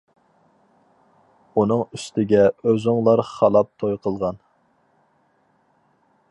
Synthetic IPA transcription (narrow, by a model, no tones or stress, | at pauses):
un̪ɨŋyst̪ʰɪɡʲɛøzʊŋlˠɑɾχɑlˠɑp̚t̪ʰojqʰəlˠʁɑn